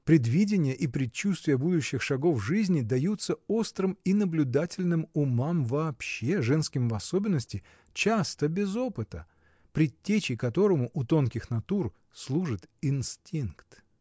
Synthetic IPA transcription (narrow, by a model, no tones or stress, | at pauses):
pɾʲɪd̪vʲidʲɪnʲɪjəʔipɾʲɪt͡ɕːust̪vʲɪjəbud̪ʊɕːɪxʂɐɡo̞fʐɨzʲnʲɪd̪ɐjut̪səo̞st̪ɾɨminəblʲʊd̪atʲɪlʲnɨmʊmamvɐːpɕːe̞ʐɛnskʲɪmvɐso̞bʲɪnːəsʲtʲɪ | t͡ɕast̪əbʲɪzo̞pɨt̪ə̰ | pɾʲɪtʲːet͡ɕɪkɐt̪o̞ɾəmʊʔʊt̪o̞nkʲɪxnɐt̪ur | slˠuʐɨt̪ɪnsʲtʲinkt̪